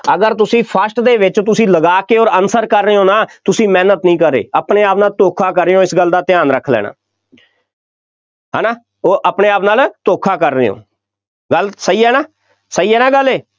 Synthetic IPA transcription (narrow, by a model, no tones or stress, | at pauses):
əɡəɾt̪ʊsĩːpʰəsʈd̪eːʋɪt͡ʃt̪ʊsĩːləɡaːkeːoːɾənsəɾkəɾːeːoːnaːt̪ʊsĩːmɛːnət̪nĩːkəɾḛːəpneːaːpnaːlt̪oːkʰaːkəɾːeːoːɪsɡəld̪aːt̪ɪjaːnɾəkʰːlɛ̰ːɽ̃a̰ː | ɦɛ̰ːnaː | oːʔəpneːaːpnaːlt̪oːkʰaːkəɾːeːõ̰ː | ɡəlsəiːɛːnaː | səiːɛːnãːɡəlːeː